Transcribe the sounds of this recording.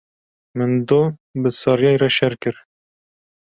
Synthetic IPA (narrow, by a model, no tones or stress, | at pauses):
mɨnd̪obɨsɑɾjɑjɾɛʃɛɾkɨɾ